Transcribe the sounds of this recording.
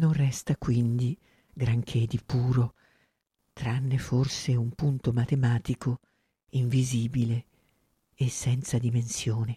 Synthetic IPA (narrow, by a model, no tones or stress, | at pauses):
nonrɛst̪akwind̪i | ɡɾaŋkʰed̪ipuːɾo | t̪ɾanːeforseumpunt̪omat̪emaːt̪ikʰo | iɱviziːbileː | sːɛnt̪sad̪imensjoːne